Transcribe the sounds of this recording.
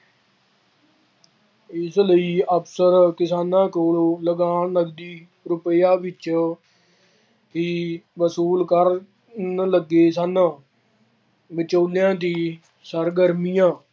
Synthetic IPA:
ɪsləiːəpsəɾkɪsaːnãːkoːlːləɡaːɳləɡd̪iː | ɾʊpəjaːʋɪt͡ʃ | ɦiːʋəsuːlkəɾ | nləɡeːsaːnãː | ʋɪt͡ʃoːljãːt̪iː | səɾɡəɾmiːjãː

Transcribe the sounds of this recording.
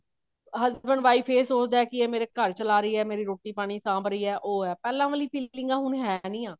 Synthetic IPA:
ɦəzbəɳʋaːiːpʰeːɾsoːt͡ʃd̪aːɛːkɪeːmeːɾeːkəɾt͡ʃəlaːɾəiːɛːmeːɾiːɾoːʈiːpaːɽ̃iːsãːbɾəiːɛːʔoːɦɛːpɛːlãːʋəːliːpʰiːlɪ̃ŋɡãːɦʊnɦɛːnĩːãː

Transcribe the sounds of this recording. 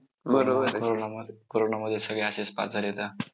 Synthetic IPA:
bəɾobəɾkoɾonamkoɾonaməd̪ʱːjesəɡɭjaɕespa̰d͡zaljet̪a

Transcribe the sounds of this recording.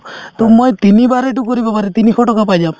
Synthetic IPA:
t̪umɔjt̪inibaɾeʈukɔɾibapaɾet̪inikʰɔʈɔkapajd͡ʒam

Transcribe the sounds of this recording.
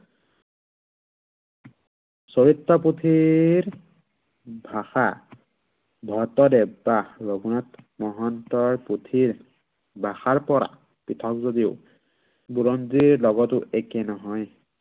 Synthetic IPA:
soɹitːɔputʰiɹ | bʱaxa | bʱɔtɔdɛbaɹoɡunatmɔɦɔntɔɹputʰiɹ | bʱaxaɹpɔɹa̰ | pɹitʰɔk̚zodiʊ | buɹɔndiɹlɔɡɔtʊʔɛkɛnɔɦɔj

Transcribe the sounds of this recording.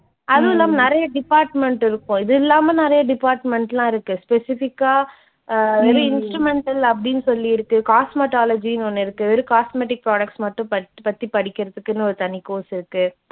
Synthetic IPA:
ʔɐðɯɪlːaːmɐnɪɾɐjɐɖɪpaːɾʈmɛɳʈɪɾɯkːʊ̃ɪðɯɪlːaːmɐnɪɾɐjɐɖɪpaːɾʈmɛɳʈlãːɪɾɯkːɯspɛsɪfɪkːaː | ʋɛɾɯɪnsʈɾɯmɛɳʈɐlɐp̬ːɐɽɪnːɯsɔlːiɪɾɯkːɯkaːsmɛʈaːlɐd͡ʒinɔnːɪɾɯkːɯʋɛɾɯkaːsmeːʈɪk̚pɾaːɽɐk̚ʈsmɐʈːʊ̃pɐpɐt̪ːipɐɽɪkʲːɪɾɐðɯkːɯnːɯɔɾɯt̪ɐnːɪkoːsɪɾɯkːɯ

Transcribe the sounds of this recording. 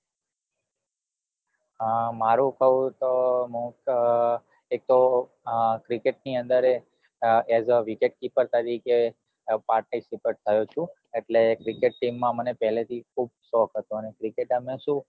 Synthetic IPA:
maɾũkəɦũt̪oɦũ | ek̚t̪o | kɾikeʈ̚niənd̪əɾe | ɛzəʋikeʈ̚kipəɾt̪əɾike | paɾʈaisipəɾt̪ʰəjot͡ʃʰũ | eʈlekɾikeʈːimːãmənepɛɦlet̪ʰikʰub̚ʃɔkʰɦət̪oənekɾikeʈəmẽʃũ

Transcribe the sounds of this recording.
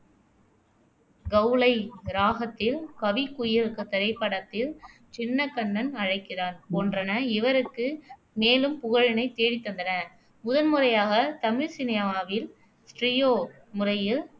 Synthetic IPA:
ɡɐʊlɐɪɾaːɣɐt̪ːɪlkɐʋɪkːʊjɪɾɯkɐt̪ːɐɾɐɪpːɐɽɐt̪ːɪl | t͡ʃɪnːɐkɐɳːɐnɐɻɐɪkːɪraːnpoːndrɐnɐɪʋɐɾɯkːɯ | meːlɯmpʊɣɐɻɪnɐɪt̪eːɽɪt̪ːɐnd̪ɐnɐ | mʊðɐnmɯrɐjaːɣɐt̪ɐmɪɻsɪnɪjɐaːʋɪl | sʈrɪjoː | mʊrɐjɪl

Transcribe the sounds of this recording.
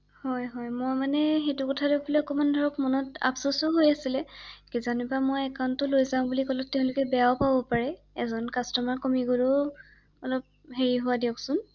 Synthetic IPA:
hɔjɦɔjmɔjmanɛxetʊkɔtʰadeʊpʰlɛɔkɔmandʱɔɹɔkmɔnɔta̰psɔsʊɦojasilɛkizanubamojɛkaʊntʊlojzaʊ̃bulikɔlɔtːɛʊ̃lʊkɛbɛjaʊpabɔpaɹɛ | ɛzɔnkastɔmaɹkomiɡuɹɔ | ɔlɔp̚ɦeɹiɦʊwadiɔksʊn

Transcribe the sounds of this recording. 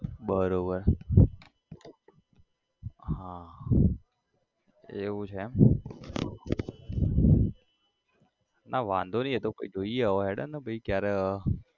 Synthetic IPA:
bəɾobəɾ | ɦã | eʋũt͡ʃʰem | naʋãnd̪ʱoniɦet̪oko̰id͡ʒoioɦɛɽə̰nəbʱəikjaɾe

